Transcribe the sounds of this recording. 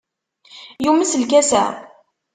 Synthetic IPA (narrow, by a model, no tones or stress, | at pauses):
juməslkæsæ̰ʁ